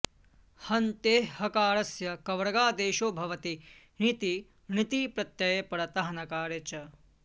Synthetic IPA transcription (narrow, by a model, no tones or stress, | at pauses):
hɐnt̪eːhɐkaːɾɐsjɐkɐʋɾɐɡaːd̪eːʃoːbʱɐʋɐt̪i | ɳit̪i | ɳit̪iːpɾɐt̪jɐjepɐɾɐt̪ɐɦɐnɐkaːɾjet͡ʃɐ